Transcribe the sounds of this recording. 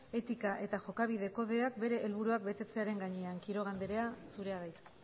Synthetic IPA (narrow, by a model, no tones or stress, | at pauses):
e̞t̪ikaʔe̞t̪aʝo̞kaβ̞ið̞e̞ko̞ðe̞ak̚be̞ɾe̞ʔːlβuɾuak̚be̞t̪e̞t͡se̞aɾe̞ŋɡaɲe̞aŋkiɾo̞ɣ̞and̪e̞ɾe̞asuɾe̞aðajt̪